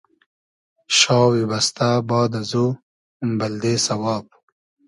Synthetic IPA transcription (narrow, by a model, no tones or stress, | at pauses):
ʃɑːwibɐst̪abɑːd̪azo | mbɐld̪esɐwɑːp̚